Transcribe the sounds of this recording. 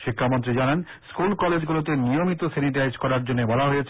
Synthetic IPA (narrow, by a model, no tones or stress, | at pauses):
ʃikʰːamont̪ɾid͡ʑanan | skulkɔled͡ʑɡulot̪enijomit̪oseniʈajd͡ʑkɔɾaɾd͡ʑonːebɔlaɦojet͡ɕʰ